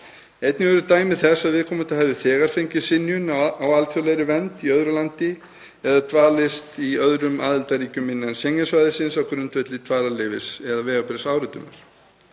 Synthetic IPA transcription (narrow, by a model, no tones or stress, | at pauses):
ejt̪nɪɛɾʏt̪aːjmɪðθɛsaðvɪðkʰɔːmʏt̪ahɦɛvðɪθɛːɣaɾ̥fejɲcɪsɪnːjʏnawalt̪ʰjɔwlɛjɾɪvɛnt̪iœðɾʏlant̪ɪ | ɛðat̪ʰvaːlɪst̪iœðɾʏmaːðɪlt̪aɾiːcʏmːɪnːansɛŋːasvaːjðɪsɪnsawkɾʏnt̪vɛt̪lɪt̪ʰvaːlalɪvɪsɛðavɛːɣapɾɛsaːwɾʏt̪ʏmɪ̰ɾ̥